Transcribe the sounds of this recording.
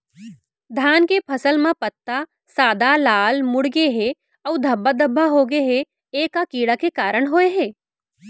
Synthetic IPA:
d̪ʱjaːnkepʰɐsəlmãpət̪ːa | saːd̪ʱalaːlmʊɽɡeɦe | ɐʋd̪ʱɐbːad̪əbʱːaɦoːɡeɦe | eːkːakiːɽakekaːɾəɽ̃ɦoːeɦeː

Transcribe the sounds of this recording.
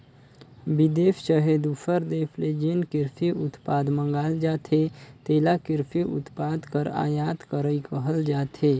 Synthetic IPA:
bid̪eːfʃəɦed̪ufəɾd̪eːfʰled͡ʒinkɪɾfʰiʔʊt̪paːd̪mə̃ŋɡaːld͡ʒaːt̪ʰet̪eːlakɪɾpʰiʔʊ̰t̪paːd̪kəɾa̰ːjaːt̪kəɾəikəɦəld͡ʒaːt̪eː

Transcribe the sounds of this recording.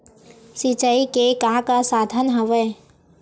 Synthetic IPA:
sit͡ʃaikekãːkasaːd̪ʱənɦəʋeː

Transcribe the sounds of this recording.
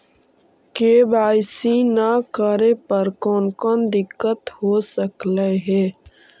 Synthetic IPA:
keːbaːɪsinakəɾepəɾkɔːnkɔːnd̪ɪkːət̪hoːsəkləɦɛː

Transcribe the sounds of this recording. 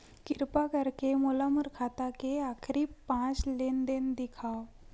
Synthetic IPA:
kiɾpakəɾkemolaməɾkʰat̪akeakʰɾiːpːãt͡slend̪end̪ikʰaw

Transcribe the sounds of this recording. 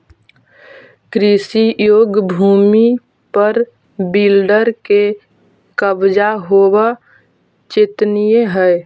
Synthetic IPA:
kɾisijoːɡbʱuːmi | pəɾ | bilɖəɾke | kəbd͡ʒaɦoba | t͡ʃɪt̪nijeɦɛj

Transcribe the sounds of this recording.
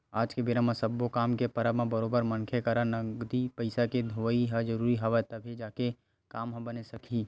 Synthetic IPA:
aːd͡ʒkebɪɾãmãsəbːokaːmkepəɾamãbəɾoːbəɾmənkʰekəɾanəɡd̪ipəɪsaked̪ʱoiɦəd͡ʒəɾuːɾiɦaʋət̪əbʱed͡ʒaːke | kaːmɦbənesəkʰi

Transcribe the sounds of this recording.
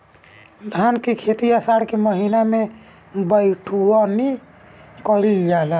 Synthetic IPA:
d̪ʱankekʰet̪ijasaɽkeməɦiname | bəjʈʰuani | kɔɾild͡ʒala

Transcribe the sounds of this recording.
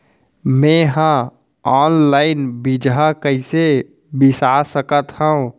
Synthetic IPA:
mɛ̃ːɦã | ɔːnlaːɪnbid͡ʒɦakəɪse | bɪsasəkət̪həũ

